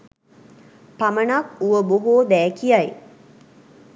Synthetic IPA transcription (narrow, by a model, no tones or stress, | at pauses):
pamənakuʋəboɦoːd̪æːkijaj